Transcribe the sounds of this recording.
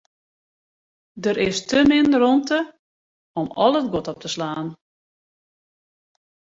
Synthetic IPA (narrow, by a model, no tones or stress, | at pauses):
dəɾɪstəmɪnrɔntə | ɔmɔ̰lˠət̚ɡotɔp̚tʰəslaːn